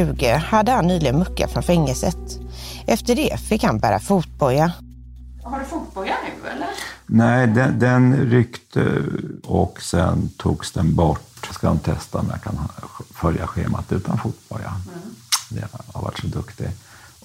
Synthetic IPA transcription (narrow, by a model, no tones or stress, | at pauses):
ʉ̟ːɡəhad̪ːəhanːyːlɪɡənmɵkːa̰fɾɔnfɛŋːəlsət̪ʔɛft̪əɖɛfɪkːhanbæːɾafuːt̪̚bɔlːa | haɖɵfuːt̪̚bɔlanʉɛ̰lːəɾnɛɪd̪ɛd̪ɛnɾʏkt̪ʰə̰ | ɔksɛnt̪ʰuːɡsd̪ɛnbɔʈːskad̪ɔnt̪ʰɛst̪aɔmja̰kʰanfœljaɧeːmat̪ʉ̟ːt̪ʰanfuːt̪̚bɔlja | d̪ɛha̰ɾva̰ʈʂɔd̪ɵkt̪ɪ